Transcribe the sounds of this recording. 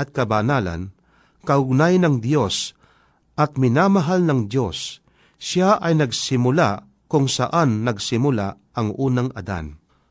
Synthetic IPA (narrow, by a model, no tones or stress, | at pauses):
ʔɐt̪̚kɐbanaːla̰n | kɐʊɡ̚najnɐŋd̪jo̞s | ʔɐt̪̚mɪnaːmɐɦalnɐŋd̪jo̞sː | aʔɐjnɐɡsɪmʊla̰ | kʊŋsaʔanːɐɡsɪmʊla̰ | ʔɐŋʔuːnaŋʔɐd̪a̰n